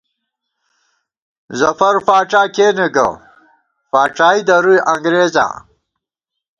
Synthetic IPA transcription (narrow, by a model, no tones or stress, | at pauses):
zɐfɐɾfaːʈ͡ʂaːkeːneɡɐ̰ | faːʈ͡ʂaːid̪ɐɾujʔɐŋɡɾeːza̰